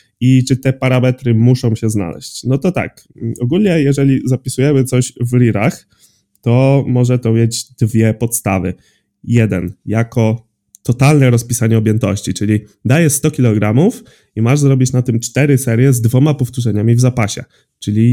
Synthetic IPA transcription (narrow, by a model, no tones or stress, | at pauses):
it͡ʂɘt̪ɛpaɾamɛt̪ɾɘmuʂɔ̃w̃ɕɛzna̰lɛ̰ɕt͡ɕnɔt̪ɔt̪a̰k | ɔɡulʲɲɛjɛʐɛlʲizapʲisujɛmɘt̪sɔɕvɾʲiɾax | t̪ɔmɔʐɛt̪ɔmʲjed͡ʑd̪vʲjɛpɔt̪st̪avɘ̰ | jɛd̪ɛ̰njakɔ | t̪ɔt̪alnɛɾɔspʲisaɲɛɔbʲjɛnt̪ɔ̰ɕt͡ɕit͡ʂɘlʲid̪ajɛst̪ɔkʲilɔɡɾamuf | imaʐzɾɔbʲit͡ɕnat̪ɘmt͡ʂt̪ɛɾɘsɛɾʲjɛzd̪vɔmapɔft̪uʐɛɲamʲivzapaɕɛ̰ | t͡ʂɘlʲi